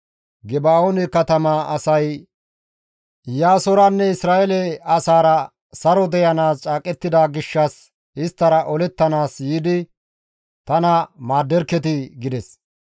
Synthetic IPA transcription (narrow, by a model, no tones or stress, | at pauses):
ɡɛbaːonɛkɐt̪ɐmaɐsɐj | jaːsɔɾɐnːɛɪsɾaːɛlɛɐsaːɾɐ | sɐɾɔd̪ɛjɐnaːst͡ʃʼaːkʼɛt̪ːɪd̪aːɡɪʃːɐs | ɪst̪ːɐɾɐʔɔlɛt̪ːɐnaːsjiːd̪ɪ | t̪ɐnɐmaːd̪ːɛɾkːɛt̪ɪɡɪd̪ɛs